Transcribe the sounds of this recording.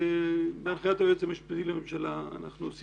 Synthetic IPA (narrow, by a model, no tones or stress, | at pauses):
ebeaɾχajat̪abet͡semeʃpezilamemʃala̰ːna̰χnuos